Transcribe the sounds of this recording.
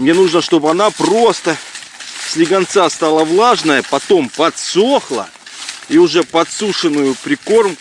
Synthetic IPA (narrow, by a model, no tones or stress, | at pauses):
mnʲe̞nuʐnəʂt̪o̞bɨɐnapro̞st̪ə | sʲlʲɪɡɐnt̪sast̪alˠəvlˠaʐnəjəpɐt̪o̞mpɐt̪soxlˠə̰ | iʊʐɛpɐt̪suʂɨnːʊjʊpɾʲɪko̞rm